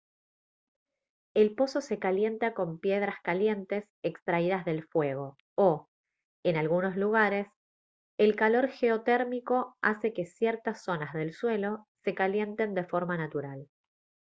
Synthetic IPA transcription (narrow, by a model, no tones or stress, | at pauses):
e̞lpo̞so̞se̞kalje̞nt̪ako̞mpje̞ð̞ɾaskalje̞nt̪e̞s | ekst̪ɾaiðazðe̞lfwe̞ɣ̞o̞ | o | enalɣuno̞sluɣ̞aɾe̞s | elkalo̞ɾxe̞ot̪eɾmiko̞ase̞ke̞sjeɾt̪asːo̞nazðe̞lswe̞lo̞se̞kalje̞nt̪e̞nd̪e̞fo̞ɾmanat̪uɾal